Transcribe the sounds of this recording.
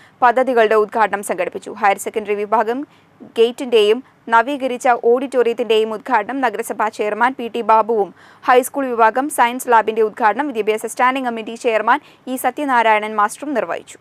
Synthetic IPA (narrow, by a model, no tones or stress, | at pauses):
pɐd̪ʱːɐðiɣɐɭɨɽe̞ud̪̚ɡʱaːʈɐɳɐmsɐŋɡɐɽipːit͡ɕːṵɦɐjɐɾsekːɐnɖɐriʋibʱaːɡɐm | ɡejtːinde̞jum | nɐʋiːɣɐɾit͡ɕːɐʔo̞ːɽitːoːrijɐt̪ːinde̞jumud̪̚ɡʰʱaːʈɐɳɐmnɐɡɐɾɐsɐbʱaːt͡ɕe̞ːjɐrmaːnpiːʈːibaːbɐʋum | hɐjskuːɭʋibʱaːɡɐmsɐjɐnslaːbinde̞ud̪̚ɡʰʱaːɖɐɳɐmʋid̪jɐbʱeːsɐstaːnɖiŋkɐmːiʈːit͡ɕeːjɐrmaːn | iːsɐt̪jɐnaːɾaːjɐɳɐnmaːsʈrumnirʋɐ̰jḭt͡ɕːu̥